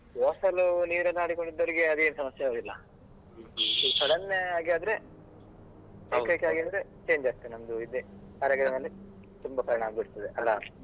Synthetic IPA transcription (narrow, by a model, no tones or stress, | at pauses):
oːsɐluniːɾɐnːaːɽikoɳɖid̪ːoːɾiɡeɐd̪eːnusɐmɐsjɐoːɡ̪ilːɐ | kɐɽɐnːeaːɡiaːd̪ɐɾe̞ | ekːajkeaːɡiaːd̪ɐɾet͡ʃe̞ːɲd͡ʒaːɡ̚t̪ːenɐmd̪uid̪e | ɐɾaːɡɐd̪ɐnɐlːi | t̪umbɐpɐɾɐɳɐaːɡbiɽt̪ːɐd̪eʔɐlːa